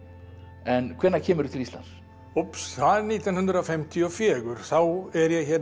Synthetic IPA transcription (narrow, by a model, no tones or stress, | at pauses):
ɛnkʰvɛnːacʰɛːmʏɾʏt̪ʰɪlist̪la̰ns | opsθaðɛɾniːt̪anhʏnd̪ɾafɛmt̪ʰiɔfjɛːɣʏɾ̥θawɛɾjɛɣçɛ